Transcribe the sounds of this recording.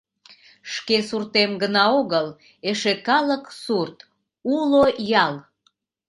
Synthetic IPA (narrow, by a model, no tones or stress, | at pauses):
ʃkesurt̪emɡənɑoɣəl | eʃekɑləksurt̪ | ulojɑl